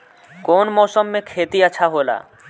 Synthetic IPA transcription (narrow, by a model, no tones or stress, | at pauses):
konmɔsomːekʰet̪iat͡ɕʰaɦola̰